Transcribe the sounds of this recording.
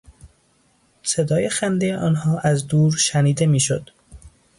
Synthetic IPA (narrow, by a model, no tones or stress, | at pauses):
se̞d̪ɒːje̞xænd̪ejeʔɒːnɦɒːʔæzd̪uːɾʃæniːd̪e̞miːʃod̪̥